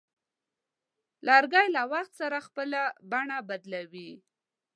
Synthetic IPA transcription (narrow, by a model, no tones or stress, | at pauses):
lɑɾɡajlawaxt̪saɾaxpəlabaɳabad̪lawi